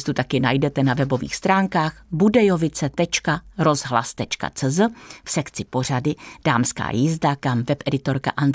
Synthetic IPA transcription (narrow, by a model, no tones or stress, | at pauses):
st̪ut̪akɪnajdɛt̪ɛnavɛbo̞vḭːxst̪ɾaːŋkaːxbudɛjo̞vɪt͡sɛt̪ɛt͡ʃkaɾo̞zɦla̰st̪ɛt͡ʃka̰t͡sɛzəfsɛkt͡sɪpo̞r̝adɪd̥aːmska̰ːjɪzdakamvɛpʔɛdɪt̪o̞ɾka̰ʔand̪